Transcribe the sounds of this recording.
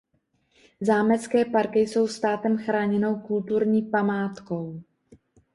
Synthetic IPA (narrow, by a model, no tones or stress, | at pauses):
zaːmɛt͡skɛːpaɾkɪjso̞wst̪aːt̪ɛmxɾaːɲɛno̞wkult̪uɾɲiːpamaːt̪ko̞w